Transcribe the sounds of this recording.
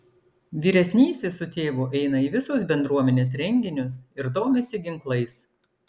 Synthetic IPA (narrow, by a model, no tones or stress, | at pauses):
ʋʲiːɾʲɛsʲnʲiːsʲɪsʊt̪ʲeːʋʊʔɛɪnɐiːʋʲɪsʊs̬bʲɛnd̪ɾuɔmʲɛnʲeːs̬ɾʲɛŋʲɡʲɪnʲʊsɪɾd̪oːmʲesʲɪɡʲɪŋklˠɐɪs